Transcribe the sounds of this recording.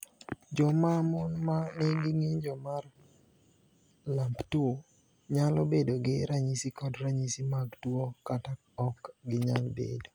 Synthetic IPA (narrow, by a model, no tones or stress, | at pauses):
d͡ʒɔmamɔnmanɛɡɪŋeɲd͡ʒɔmar | lamptuo | ɲalɔbedoɡɪɾaɲisikɔdɾaɲisimaɡtwokatakɔkɡɪɲalbḛdo